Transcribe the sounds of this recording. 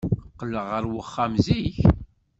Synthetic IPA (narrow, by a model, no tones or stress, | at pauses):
qːəlːəʁːəɾwəχːamziç